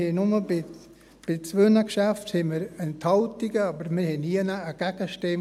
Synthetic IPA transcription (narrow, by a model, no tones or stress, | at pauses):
enʊməbɪ | b̥ɪt͡sʋønəkʃæfthɛməɾɛnt̪hɑlt̪iɡəɑbəɾmɪɾhɛniənaəɡ̥æɡ̥əʃteː